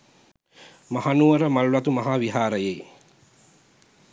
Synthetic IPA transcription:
mahanuʋəɾəmallat̪umaɦaːʋiɦaːɾəjej

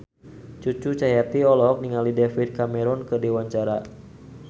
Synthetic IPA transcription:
t͡ʃut͡ʃut͡ʃajat̪iɔlɔk̚niŋalidɛfit̪̚kamɛɾɔnkɨdewaɲt͡ʃaɾa̰

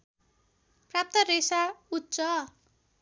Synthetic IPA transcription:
prap̚t̪ʌresaut̪ːt͡sʌ

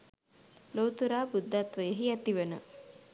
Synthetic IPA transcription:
loːt̪uɾaːbud̪ʱːat̪ʋəjəɦiæt̪iʋənə̰

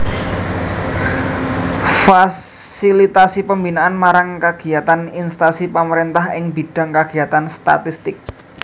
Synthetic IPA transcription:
fa | silit̪asipəmbinaʔanmaɾaŋkəɡ̥i̤at̪aninst̪asipəməɾint̪aɦɪŋbiɖ̥a̤ŋkaɡ̥i̤at̪anst̪a̰t̪ist̪ɪk̚

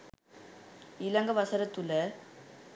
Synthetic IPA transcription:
ɪlɐŋɡɐʋɐsɐɾɐt̪ːɯlɐ

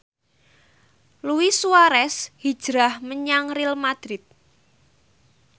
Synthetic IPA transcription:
luwisuaɾɛshid̥ʒ̥ɾahməɲaŋrilmad̪̥ɾɪt̪̚

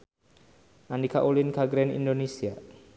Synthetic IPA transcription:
ʔanikaʔulinkaɡɾɛnḭndonesia

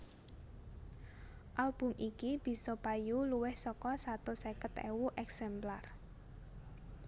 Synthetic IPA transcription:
ʔalb̥ʊ̤mʔikib̥i̤sɔpajuluwɪhsɔkɔsat̪osɛkət̪ɛ̰wuʔɛksɛmplar

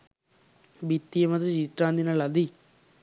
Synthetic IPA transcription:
bit̪ːijemɐt̪ɐt͡ʃit̪ɾãːnd̪inɐlɐd̪i

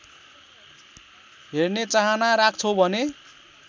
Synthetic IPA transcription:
ɦernet͡saɦʌnaɾak̚ʰt͡sʰobʱʌne

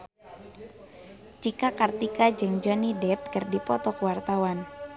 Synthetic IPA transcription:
t͡ʃikakart̪ikad͡ʒɨŋd͡ʒɔnidɛp̚kərdipɔt̪ɔkwart̪awan

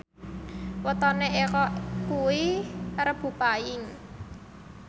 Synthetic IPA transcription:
wət̪ɔneʔekɔkuwirəb̥ṳpajɪŋ

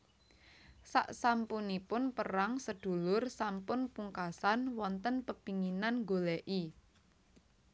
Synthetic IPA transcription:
sa̰ʔsampunipʊnpəɾaŋsəd̪̥ṳlʊrsampʊnpuŋkasanwɔnt̪ənpəpiŋinanŋɡolɛʔi

